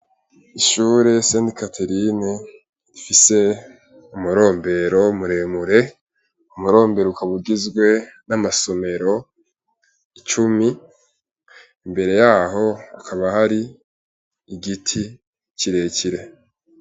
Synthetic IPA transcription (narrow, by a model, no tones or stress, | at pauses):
iʃuːɾe̞seːndikatʰe̞ɾine | ɾifise̞ | umuɾo̞ːmbe̞ɾo̞muɾe̞muɾe̞ | umuɾo̞ːmbe̞ɾoukaβuɡizɡwe̞namaso̞me̞ɾo̞ | it͡ʃumi | imbe̞ɾe̞jaːɦo̞akʰaβahaɾiː | ɡitʰi | ciɾe̞ciɾe̞